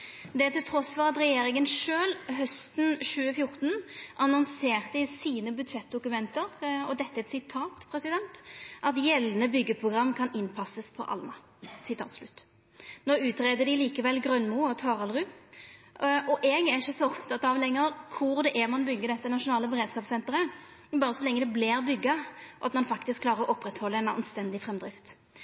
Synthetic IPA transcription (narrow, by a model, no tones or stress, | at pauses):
d̪ɛæt̪ɪlt̪ʰɾɔsfɔʁɑt̪ɾɛjeːɾɪŋənʂøːlɦœst̪n̩ʃʉːəfjʊɾt̪n̩ʔɑnɔnseːʁt̪d̪ɪsiːnəbʉd̪ʂɛt̪̚d̪ʊkʉmɛnt̪əɾɔd̪ɛt̪ːəɛt̪sɪt̪ʰɑːt̪pʰɾɛsɪd̪ɛnt̪ʔɑt̪jɛlnəbʏɡːəpʰʁʊɡɾɑmːkʰɑnɪnpʰɑsəspʰɔ̰ʔɑ̰lnɑ | sɪt̪ʰɑ̰ːt̪slʉt̪ː | noːʉːt̪ɾeːd̪əɖɪliːkəʋɛlːɡɾœnmuːɔt̪ʰɑːʁɑlʁʉː | ɔʔɛːɡæɾɪçːəsɔɔpt̪ʰɑt̪ɑʋlɛŋːəɾkʰʊɾd̪ɛʔɛʁmɑnbʏɡːəd̪ɛt̪ːənɑʂʊnɑːləbɛɾeːd̪skɑːpsɛnt̪əɾə | bɑːɾəsɔlɛŋːəd̪ɛblɪɾbʏɡːɑʔɑ̰t̪mɑnfɑkt̪ɪskʰlɑːɾəɾɔʔɔpːɾɛt̪hɔlːəɛnɑ̰nst̪ɛnd̪ɪfɾɛmd̪ɾɪft̪